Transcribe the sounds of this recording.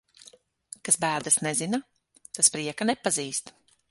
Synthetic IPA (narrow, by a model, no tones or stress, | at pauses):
kasbæːɾd̪asnɛzina | t̪aspɾiɛkanɛpaziːst̪